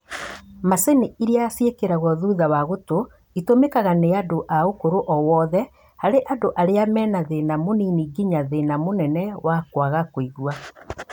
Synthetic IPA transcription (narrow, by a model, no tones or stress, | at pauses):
maseniiɾeasjekeɾaɣɔðuðawaɣoto | itomekaɣaneadoʔaokoɾoʔɔwɔðɛ | haɾeʔadoʔaɾeamɛːnaðenamoniniɡiɲaðenamonɛnɛwakwaɣakoiɣwa